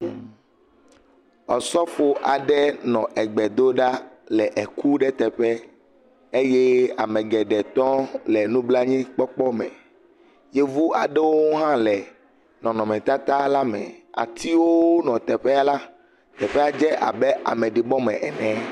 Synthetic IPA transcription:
ɔ˨sɔ˦fo˦ʔa˨ɖɛ˦nɔ̃˨ʔɛ˨ɡ͡bɛ˨d̪o˦ɖa˦lɛ˨ʔɛ˨ku˦ɖɛ˦t̪ɛ˨ɸɛ˦ | e˦jɛ˦a˨mɛ̃˨ɡɛ˨ɖɛ˨t̪ɔ̃˦lɛ˨nũ˦bla˦ɲĩ˦k͡pɔ˦k͡pɔ˦mɛ̃˨ | je˦vu˦a˨ɖɛ˦wo˦ŋu˦ɦã˦lɛ˨ | nɔ̃˨nɔ̃˨mɛ̃˨t̪a˦t̪a˦la˦mɛ̰̃˨a̰˨t̪ʰi˦wo˦wo˦nɔ̃˨t̪ɛ˨ɸɛ˦a˦la˦ | t̪ɛ˨ɸɛ˦a˦d͡ʒɛ˦ʔa̰˨bɛ˦a̰˨mɛ̃˨ɖi˨bɔ˦mɛ̃˨ʔɛ˨nɛ̃˨˦

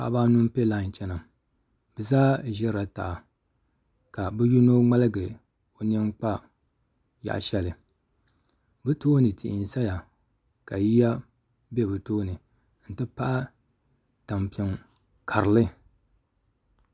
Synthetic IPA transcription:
a˨˦ba˦nu˦m˦pe˦la˦˨n˨t͡ʃɛ˦na˨m | bɛ˨zaː˦ʒɛ˦ɾɾa˨ta̰˨ | ka˨bɨ˦ju˦no˦ŋ͡ma˦lɨ˦ɡɨ˨ | o˨n˦ɛ˦n˦k͡pa˦ | ja̰˨ʔʃɛ˦lɨ˨ | bɨ˦toː˦nɨ˨ti˨ʔɪ̰˨n˨sa˦ja˨ | ka˨ji˦a˦ | bɛ˦bɨ˨toː˦nɨ˨ | n̩˨tɨ˦pa˦ʔa˦ | ta˨mpi˨ɛ˨ŋ | kʰa˨ɾɨ˨lɨ˦

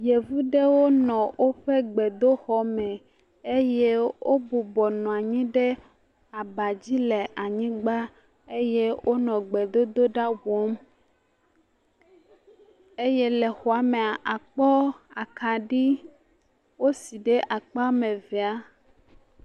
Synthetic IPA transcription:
je˨vu˦ɖe˦wo˦nɔ̃˨wʔo˦ɸe˦ɡ͡bɛ˨d̪o˦xɔ˨mɛ˨ | e˦je˦wo˦bu˨bɔ˨nɔ̃˨a˨ɲĩ˦ɖe˦ | a˨ba˨d͡ʑi˦lɛ˨ʔa˨ɲĩ˦ɡ͡ba˦ | e˦je˦wʔo˦nɔ̃˨ɡ͡be˨d̪o˦d̪o˦ɖa˦wɔ˦m | e˦jɛ˦lɛ˨xɔ˨a˨me˨a˨ʔa˨k͡pɔ˦a˨ka˨ɖi˦ | wo˦si˨ɖe˦ʔa˨k͡pa˦mɛ̃˨vɛ˨a˦

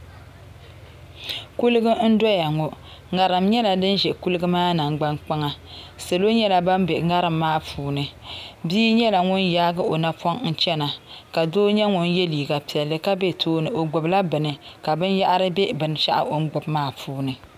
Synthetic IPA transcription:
ku˦lɨ˦ɡɨ˦n̩˦dɔ˦ja˨ŋo˨ | ŋa˨ɾɨ˨mɲɛ˦la˨dɨ˦nʒɛ˨ʔku˦lɨ˦ɡɨ˦maː˦na˨ŋ˦ɡ͡ba˦ŋk͡pa˦ŋa˦sɨ˨lo˦ɲɛ˦la˨ba˦mbe˨ŋa˦ɾɨ˨mːaː˦pʰuː˨nɨ˨biː˦ɲɛ˦la˨ŋʊ˦njaː˦ɡɨ˦o˨na˦pʰɔ˦ŋn̩˦t͡ʃɛ˦na˨ka˨doː˦ɲɛ˦ŋʊ˦nje˦liː˨ɡa˨pi˨ɛ˨lːɨ˦ka˦be˦tʰoː˦nɨ˨ʔo˨ɡ͡bʊ˨bla˦bɨ˨nɨ˨ka˨bɨ˦nja˦ʔa˦ɾɨ˦be˦bɨ˨n˨t͡ʃa̰˦ʔa̰˦ʔo˦ŋ̩˦ɡ͡bʊ˨bmaː˦puː˦nɨ˨

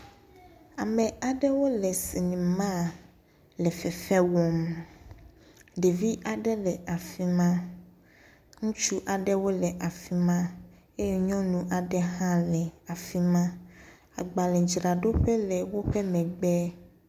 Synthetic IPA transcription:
a˨mɛ̃˨a˨ɖɛ˦wo˦lɛ˨si˨nĩ˨mã˦˨ | lɛ˨fɛ˨fɛ˦wɔ˨m | ɖe˨vi˦ʔa˨ɖɛ˦lɛ˨ʔa˨fi˦mã˦ | ŋũ˦t͡ʃu˦ʔa˨ɖɛ˦wo˦lɛ˨ʔa˨fi˦mã˦ | e˦jɛ˦ɲɔ̃˦nũ˦ʔa˨ɖɛ˦ɦã˦lɛ˨a˨fi˦mã˦ | a̰˨ɡ͡ba˨lɛ˨d͡ʒɾa˨ɖo˦ɸɛ˦lɛ˨wo˦ɸɛ˦mɛ̃˨ɡ͡bɛ˦

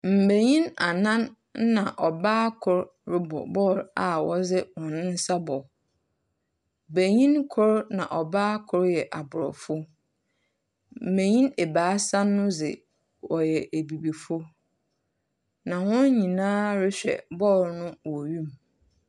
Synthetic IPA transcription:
m̩˨be˨ɲĩ˦na˨nã˦n˦ | nã˨ʔɔ˨baː˦kʰʊ˦˨ɾ | ɾɪ˦bɔ̰˨bɔ˦˨ɾa˨wɔ˦zɪ˦wɔ̃˨nɪ̃˦n̩˦sa˦bɔ˨ | bæ˨ɲĩ˦nkʰʊ˦ɾnã̰˨ʔɔ˨baː˦kʰʊ˦ɾjɛ˨ʔa˨bʊ˨ɾɔ̰˨fʊ˦ | m̩˨bẽ˨ɲĩ˦ne˨baː˨˦sa˦nː˦ʊ̃˦zɪ̰˨ | wɔ˨jɛ˨ʔe˨bi˨bi˨fʊ˦ | nã˨wʊ̃˦n˦ɲĩ˨nãː˦ɾɪ˦ɕᶣɛ̰˨bɔ˦˨ɾnʊ̃˦wɔ˨ɥũ˦m

